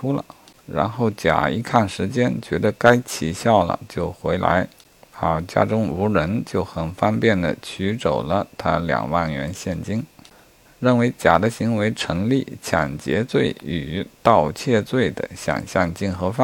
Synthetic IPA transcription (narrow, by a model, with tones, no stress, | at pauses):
u˥lə̰˨˩ɻa̰˧˥nxo˥˩ʊt͡ɕja̰˨˩i˧˥kʰa˥˩nʂɻ̩˧˥t͡ɕjɛ˥nt͡ɕɥɛ˧˥d̪ə˧ka˥ɪt͡ɕʰi˨˩ɕjɑ˥˩ʊlə̰˩t͡ɕjo˥˩ʊxwe˧˥ɪla̰˧˥ɪ | a˧˩t͡ɕja̰˥ʈ͡ʂʊ˥ŋu˧˥ɻə˧˥nt͡ɕjo˥˩ʊxə˨˩nfɑ˥npjɛ˥˩nd̪ə̰˩t͡ɕʰy˧˥ʈ͡ʂo˨˩ʊlə˦t̪ʰa˥ljɑ̰˨˩ŋwa˥˩nɥɛ˧˥nɕjɛ˥˩nt͡ɕi˥ŋ | ɻə˥˩nwe˧˥ɪt͡ɕja̰˨˩d̪ə˦ɕi˧˥ŋwe˧˥ɪʈ͡ʂʰɤ˧˥ŋli˥˩t͡ɕʰjɑ̰˨˩ŋt͡ɕjɛ̰˧˥t͡swe˥˩ɪy˨˩t̪ɑ˥˧ʊt͡ɕʰjɛ˥˧t͡swe˥˩ɪd̪ə̰˩ɕjɑ̰˨˩ŋɕjɑ˥˧ŋt͡ɕi˥˩nxɤ˧˥fa˥˩